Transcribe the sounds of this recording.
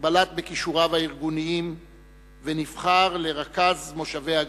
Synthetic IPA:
balat̪̚bekiʃuʁavaiʁɡuniim | venifχaʁle̞ʁakazmo̞ʃave̞ja

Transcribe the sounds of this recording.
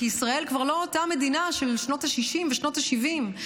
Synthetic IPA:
iisʁae̞lkvaʁlo̞otame̞dinaʃe̞lʃno̞taʃiʃimveʃno̞thaʃivim

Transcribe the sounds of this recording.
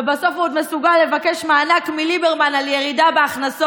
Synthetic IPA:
ebaso̞fod̪me̞suɡalːe̞vake̞ʃmaːnakmilibeʁmanaljeʁidabeaχnaso

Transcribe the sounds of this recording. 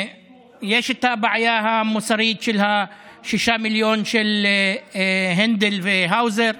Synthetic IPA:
jeːʃɪt̪ːaːbaʕajaːɦamʊsɑɾiːt̪ʃɪlha | ʃɪʃamɪljoːnʃɪl | ɦɪnd̪ɪlfɪɦawzeɾ

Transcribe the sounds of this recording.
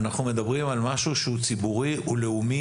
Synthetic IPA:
naχnume̞d̪abʁimalmaʃuʃeut͡sibuʁiʔule̞umi

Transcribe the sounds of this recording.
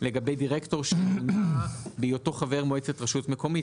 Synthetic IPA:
le̞ɡabejdiʁekto̞ʁʃelnabijoto̞χave̞ʁmoet͡setʁaʃutme̞ko̞mi

